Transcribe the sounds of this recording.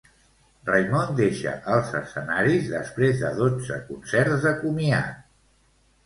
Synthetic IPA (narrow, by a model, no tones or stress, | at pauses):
rəjmɔnd̪eʃə̰ʔəlˠzəsənaɾizðəspɾezðəðod͡zə̰kunsɛɾzðəkumia̰